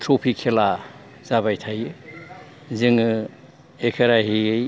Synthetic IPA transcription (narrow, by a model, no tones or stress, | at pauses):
tʰɾopʰikʰːela | z̥aβajtʰaj | zɯŋɯ | ekʰeɾaɦiɯj